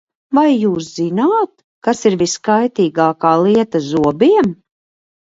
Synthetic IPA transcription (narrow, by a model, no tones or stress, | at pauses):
vajːuːs̬z̥inaːt̪ | kasiɾviskajt̪iːɡaːkaːlˠiɛt̪azuɔbiɛm